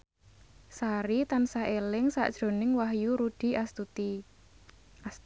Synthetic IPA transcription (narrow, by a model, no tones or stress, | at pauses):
saɾit̪ansaelɪŋsa̰ʔd̥ʒ̥ɾo̤nɪŋwaɦjuɾud̪̥i̤ast̪ut̪i